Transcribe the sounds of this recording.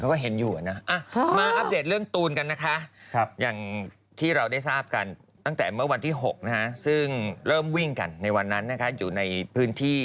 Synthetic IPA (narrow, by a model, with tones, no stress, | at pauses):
kʰa˦˥wkɔː˥˩ɦe˨˩˦njuː˨˩ʔa˨˩na˦˥ʔa˧˩maː˧ʔʔa˦˥p̚deː˨˩t̪̚ɾɯ˥˩əŋt̪uː˧nka˧nːa˦˥kʰa˦˥˧jaː˨˩ŋ | t̪ʰiː˥˩ɾa˧wda˥˩jsaː˥˩p̚ka˧n | t̪a˥˩ŋt̪ɛː˨˩mɯ˥˩ɐwa˧nt̪ʰiː˥˩ɦo˨˩k̚na˦˥kʰa˦˥sɯ˥˩ŋɾɤː˥˩mwi˥˩ŋka˧nːa˧jwa˧nːa˦˥nːa˦˥kʰa˦˥juː˨˩na˧jpʰɯː˦˥nt̪ʰiː˥˩